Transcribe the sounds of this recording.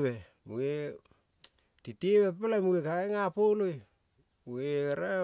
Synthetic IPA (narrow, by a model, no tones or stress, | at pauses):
βe | mue | titeβepelamuekaeŋapoloj | mueɾa